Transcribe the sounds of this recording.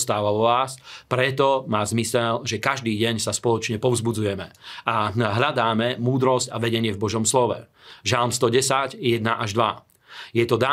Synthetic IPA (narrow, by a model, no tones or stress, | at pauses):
st̪aːʋaɔʋaːspɾɛt̪ɔmaːzmisɛʎʒɛkaʒd̪iːɟɛɲsaspɔlɔt͡ʃɲɛpɔʊzbud͡zujɛmɛaɦʎad̪aːmɛmuːd̪ɾɔscaʋɛɟɛɲɪɛvbɔʒɔmslɔʋɛ̰ | ʒalmst̪ɔɟɛsaɟjɛd̪̚naʔaʒd̪ʋa | jɛt̪ɔd̪aː